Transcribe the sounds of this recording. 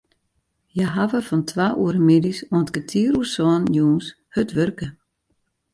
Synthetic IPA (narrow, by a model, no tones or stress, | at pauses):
jaɦavəfɔntʰʋaːʔuəɾəmidisɔəntɡ̥ətʰiəɾusɔnjuːns | høtʋørkə